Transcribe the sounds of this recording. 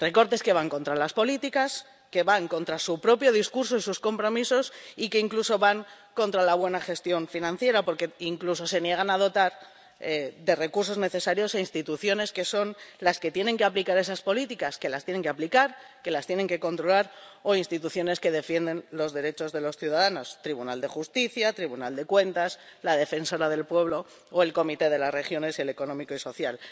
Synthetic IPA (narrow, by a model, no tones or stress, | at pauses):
re̞ko̞ɾt̪e̞ske̞βaŋko̞nt̪ɾalaspo̞lit̪ikas | ke̞βaŋko̞nt̪ɾasupɾo̞pjo̞ð̞iskuɾs̬oisusko̞mpɾo̞miso̞sike̞iŋkluso̞βaŋ | kõ̞nt̪ɾalaβ̞we̞naxe̞st̪jo̞ɱfinãn̟θje̞ɾapo̞ɾke̞iŋkluso̞se̞nje̞ɣ̞anað̞o̞t̪aɾ | ed̪e̞re̞kuɾs̬o̞zne̞θe̞saɾjo̞sainst̪it̪uθjo̞ne̞ske̞so̞nlaske̞t̪je̞ne̞ŋkeaplikaɾe̞saspo̞lit̪ikaske̞last̪je̞ne̞ŋkeaplikaɾke̞last̪je̞ne̞ŋke̞ko̞nt̪ɾo̞laɾo̞inst̪it̪uθjo̞ne̞ske̞ðe̞fje̞nd̪e̞nlo̞zðe̞ɾe̞t͡ʃo̞zðe̞lo̞sθjuðaðano̞st̪ɾiβunald̪e̞xust̪iθjat̪ɾiβunald̪e̞kwe̞nt̪aslaðe̞fe̞nso̞ɾaðe̞lpwe̞β̞lo̞ | oe̞lko̞mit̪e̞ð̞e̞lasre̞xjo̞ne̞sele̞ko̞nomiko̞iso̞θjal